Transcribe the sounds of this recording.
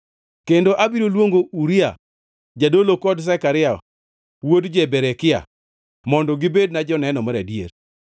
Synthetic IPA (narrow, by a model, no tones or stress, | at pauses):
kendoʔabiɾolwoŋɡouɾia̰ | d͡ʒadolokɔds̬ɛkaɾɪa | wodd͡ʒebeɾekɪa̰ | mɔndɔɡibed̚nad͡ʒɔnɛnɔmaɾadjḛɾ